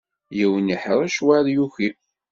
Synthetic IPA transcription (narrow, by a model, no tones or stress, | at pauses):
jiwəniħɾˤæʃwaðjuxi